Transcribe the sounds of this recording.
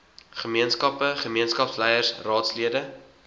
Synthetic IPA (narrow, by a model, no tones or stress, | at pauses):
χəmiənskɐpəχəmiənskɐpslɛjərsrɑːtsliədə